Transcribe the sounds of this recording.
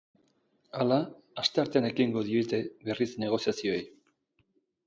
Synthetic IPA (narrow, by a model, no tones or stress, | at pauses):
alaː | st̪e̞aɾt̪e̞ane̞kiŋɡo̞ðie̞t̪e̞βe̞risne̞ɣ̞o̞siasio̞ej